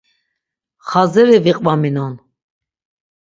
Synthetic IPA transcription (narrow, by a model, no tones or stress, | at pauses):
χazɛɾiviqʼvaminɔn